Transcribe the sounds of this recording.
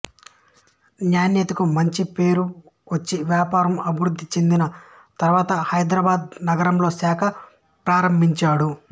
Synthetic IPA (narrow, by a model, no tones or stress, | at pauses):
njaːnjɐt̪ɐkumɐɲt͡ʃipe̞ːɾu | ʋɐt͡ʃːiʋjaːpaːɾɐmɐbʱiʋɾud̪ʱːit͡ʃe̞nd̪inɐ | t̪ɐɾʋaːt̪ɐhɐjd̪ɾɐːbaːd̪̚nɐɡɐɾɐmlo̞ːsaːkʰɐ | pɾaːɾɐmbʱiɲt͡ʃaːɽu